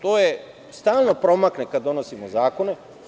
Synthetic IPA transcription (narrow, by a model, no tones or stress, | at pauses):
t̪oːje | st̪aːlˠno̞pɾo̞maknekad̪d̪ːono̞simozaːkone